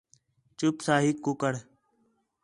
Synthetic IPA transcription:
t͡ʃʊpsaːɦikːʊkəɽ

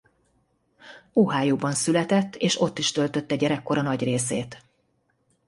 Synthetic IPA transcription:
oːɦaːjuːbɒnsylɛt̪ɛt̪ːeːʃo̞t̪ːiʃt̪ølt̪ø̞t̪ːɛɟɛɾɛkːo̞ɾɒnɒɟreːseːt̪

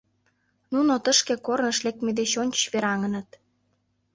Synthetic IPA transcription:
nunot̪əʃkekornə̆ʃlek̚t̪med̪eɕonʲt͡ɕβeɾɑŋə̆nə̆t̪̚

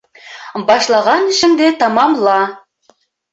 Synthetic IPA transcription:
bɑʃlˠɑʁɑnʃɘ̆md̪et̪ɑmɑmlˠɑ

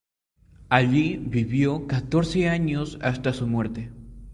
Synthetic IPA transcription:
aʎiβiβjokat̪oɾseaɲosa̰st̪asumwe̞ɾt̪e

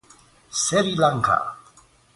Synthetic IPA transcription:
sɛɾilaŋkʰa̰

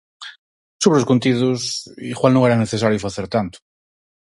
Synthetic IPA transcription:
suβɾoskunt̪iðosḭxwalnõŋeɾaneθes̬aɾjofaθeɾt̪ant̪ʊ̥

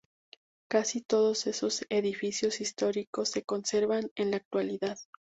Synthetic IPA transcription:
kasit̪o̞ð̞o̞se̞so̞se̞ðifisjo̞sist̪o̞ɾiko̞sːe̞ko̞nse̞ɾβanenlaːk̚t̪waliðað

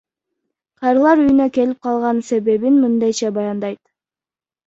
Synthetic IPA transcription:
qʰɑjɾɯlˠɑɾyjynøke̞lip̚qʰɑlˠʁɑnse̞βe̞βinmɯnd̪ɑjt͡ʃɑbɑjɑnd̪ɑjt̪

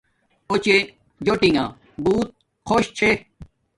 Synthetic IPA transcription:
ot͡ɕe | d͡ʑoʈĩŋɡã̰ | buːt̪̚ | kʰoɕt͡ɕʰe

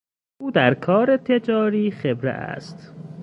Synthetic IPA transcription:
uːd̪æɾkʰɒːɾe̞t̪ʰe̞d͡ʒɒːɾiːxebɾḛʔæ̰st̪

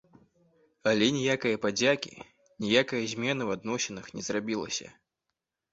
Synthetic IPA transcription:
ɐlʲɛnʲijakɐjɐpad͡zʲakʲḭ | nʲijakɐjɐzʲmʲɛnɨwad̪nɔsʲɛnɨxnʲɛzrabʲilˠɐ̰sʲɐ̰

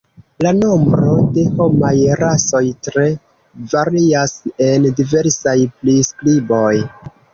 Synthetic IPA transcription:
lanombɾo̞de̞ho̞majɾaso̞jtɾe̞ | vaɾiase̞ndive̞ɾsajpliskɾibo̞j

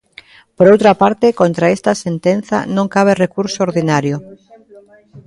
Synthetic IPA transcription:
poɾowt̪ɾapaɾt̪ekont̪ɾaest̪asent̪enθa̰nõŋkaβ̞erekuɾsooɾðinaɾjʊ

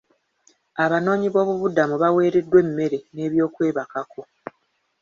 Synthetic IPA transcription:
aβano̞ːɲiβo̞ːβuβudamuβawe̞ːɾe̞dːwe̞mːe̞ɾe̞ne̞ːβjo̞ːkwe̞ːβakakʰo̞

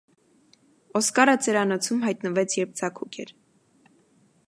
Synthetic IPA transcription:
ɔskɑɾət͡sɛɾɑnɔt͡sʰumɦɑjt̪nəvɛt͡sʰjɛɾp̚d͡zɑkʰukʲʰɛ̰ɾ

